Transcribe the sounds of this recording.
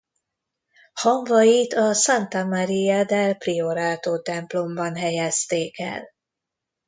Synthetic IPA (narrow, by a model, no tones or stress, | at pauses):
hɒɱvɒjit̪ɒsant̪ɒmaɾiad̪ɛlprioɾaːt̪oːt̪ɛmplo̞mbɒnɦɛjɛst̪eːkɛ̰l